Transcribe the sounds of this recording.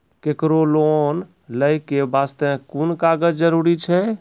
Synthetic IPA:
kekɾolon | ləjkebast̪ekunkaɡəd͡ʒd͡ʒəɾuɾit͡ʃʰɛ

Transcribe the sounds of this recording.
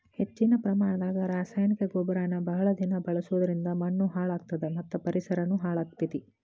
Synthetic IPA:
he̞t͡ʃːinɐpɾɐmaːɳɐd̪aːɡɐɾaːsaːjnikɐɡobɾaːnɐbɐɦɐɭɐd̪inɐbɐɭɐsuʋɐd̪ɐɾind̪ɐmɐɳːuɦaːɭaːk̚t̪ɐd̪emɐt̪ːupɐɾisɐɾɐnuɦaːɭaːkt̪it̪i

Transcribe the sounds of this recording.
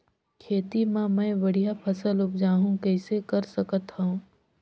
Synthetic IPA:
kʰeːt̪imãmɛ̃ːbɐɽ̤ijapʰɐsəlʊp̚d͡ʒaːɦũkɛɪsekɐɾsɐkət̪ɦɐũː

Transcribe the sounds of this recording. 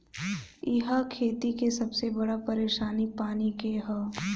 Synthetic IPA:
ɪɦakʰeːt̪ikesɐbsebɐɽapɐɾeːʃaːnipaːnikeɦɐ

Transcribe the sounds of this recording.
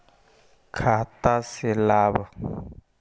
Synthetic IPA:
kʰatasilaːβa

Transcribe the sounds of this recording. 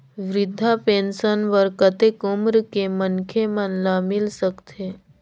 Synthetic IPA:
ʋɾɪd̪ʱːapeːnʃənʋəɾkət̪ekomɾkemənkʰemənlamɪlsəkt̪ʰe

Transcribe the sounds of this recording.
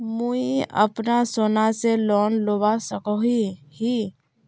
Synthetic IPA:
muiə̰pnasoːnaselɔːnloːbasəkoɦihi

